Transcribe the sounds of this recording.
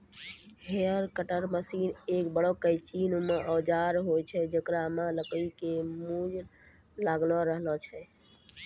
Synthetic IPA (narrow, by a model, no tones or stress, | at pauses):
heəɾkəʈəɾməsinekbəɽɔkəjt͡ʃinmeʔɔd͡ʒaɾɦojt͡ʃʰɛd͡ʒəkɾamaləkəikemud͡ʒ | laɡlɔɾəɦlɔt͡ʃʰɛ